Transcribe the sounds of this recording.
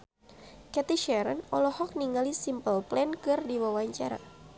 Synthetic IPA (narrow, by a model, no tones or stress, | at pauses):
kɛt̪iʃɛɾənɔlɔhɔk̚niŋalisimpəlplɛnkɨrdiwawaɲt͡ʃaɾa̰